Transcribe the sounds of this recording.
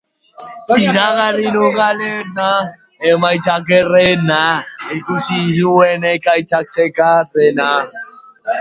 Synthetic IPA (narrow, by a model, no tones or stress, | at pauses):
iɾaɣaɾinoɣalɛna | ɛmait͡ʃak̬ɛɾɛnaekusizuwɛnɛkait͡ʃak̚sɛkatɛna